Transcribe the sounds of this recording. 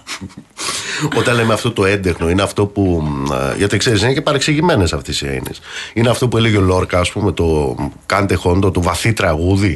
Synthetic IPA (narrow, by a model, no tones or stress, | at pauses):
o̞t̪ɐnlemeɐft̪o̞t̪o̞e̞nd̪e̞xno̞ineɐft̪o̞puʝɐt̪ikse̞ɾisinecepɐɾekseʝime̞nesɐft̪esiḛnḭsineɐft̪o̞pueleʝolo̞ɾkɐːspume̞t̪o̞kɐnt̪exo̞nd̪ot̪ovɐθit̪ɾɐɣuði